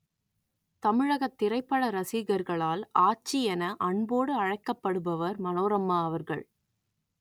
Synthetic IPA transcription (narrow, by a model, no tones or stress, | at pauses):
t̪ɐmɪɻɐɣɐt̪ːɪɾɐɪpːɐɭɐɾɐsiɣɐɾɣɐɭaːlaːt͡ʃːiɛnɐʔɐɳboːɽɯɐɻɐɪkːɐpːɐɽɯbɐʋɐɾmɐnoːɾɐmːaːɐʋɐɾɣɐ̰ɭ